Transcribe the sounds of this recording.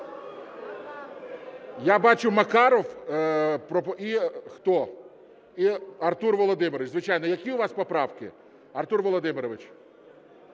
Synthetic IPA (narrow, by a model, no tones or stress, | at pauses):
jabɑt͡ʃʊmɐkɑɾɔw | pɾɔixt̪ɔ | iɐrt̪urʋɔlˠɔd̪ɪmɪɾɔʋɪt͡ʃʲzʋɪt͡ʃɑjnɔjɐkʲiʊʋɑspɔpɾɑwkɪ̰ | ɐrt̪urʋɔlˠɔd̪ɪmɪɾɔʋɪt͡ʃ